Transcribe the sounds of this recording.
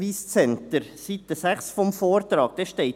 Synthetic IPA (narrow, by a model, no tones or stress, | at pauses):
ʋiːst͡sɛnt̪əɾsit̪ːəsæχsfɔmfoːɾt̪ɾɑːɡ̥̚d̥ɛʃteɪt